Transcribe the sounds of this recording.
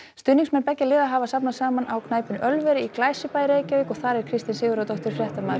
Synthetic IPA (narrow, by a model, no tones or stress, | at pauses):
st̪ʏniŋsmɛnpɛcːalɪːðaɦavasapnasaːmanʔawkʰnaːjpʏnœlvɛɾɪiklaːjsɪpaːjɾeːjcaɪkɔɣθaɾɛɾ̥kʰɾɪst̪ɪnsɪːɣʏɾawt̪ɔht̪ʏɾ̥fɾjɛht̪amaːðɾ